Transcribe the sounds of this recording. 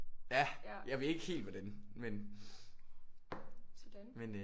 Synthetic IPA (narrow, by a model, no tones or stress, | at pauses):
jæjɑ̈ɪʋee̝ɡ̥əhe̝̰ːld̥ʋæd̥enmen | d̥men